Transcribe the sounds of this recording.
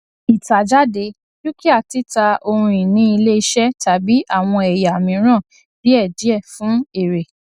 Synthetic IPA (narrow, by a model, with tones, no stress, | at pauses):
i˨ta˨d͡ʒa˦de˧˦ | d͡ʒu˦ki˦a˦˨ti˨˦ta˧o˧ɾũ˧i˨nĩ˦i˧le˦i˧˦ʃɛ˦ta˨˦bi˦ʔa˦˨w̃ɔ̃˧ɛ˨ja˨mĩ˨˦ɾ̃ã˦˨ | di˨˦ɛ˦˨d͡ʒi˨˦ɛ˦˨fũ˨˦e˦˨ɾe˨